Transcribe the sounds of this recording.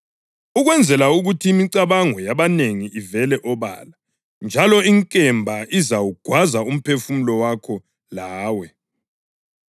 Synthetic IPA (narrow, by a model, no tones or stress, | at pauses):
uɣwɛnd͡zʱɛlauɣutʰiːmiǀaβaŋɔjaβaneŋiivɛlɛʔɔβa̰la | nd͡ʒʱalɔiŋkʼɛmbʱaizawuɡ̥ʱwazaum̩pʰefumulɔwakʰɔ | laːwɛ